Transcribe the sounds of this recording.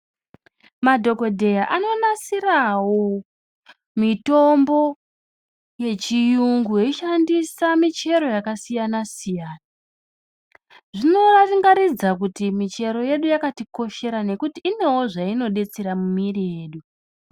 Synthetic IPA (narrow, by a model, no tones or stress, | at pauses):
madʱo̞ko̞dʱe̞jaʔano̞nasirawo̞ | mito̞mbo̞ | je̞t͡ʃijuŋɡujeiʃandisamit͡ʃe̞ɾo̞jakasijanasijaːna | ʐino̞rafiŋɡaɾid͡zakutimit͡ʃe̞ɾo̞je̞ɗujakatiko̞ʃe̞ɾane̞kutiːne̞wo̞ʐaino̞ɗe̞t͡seɾamumirije̞ːɗu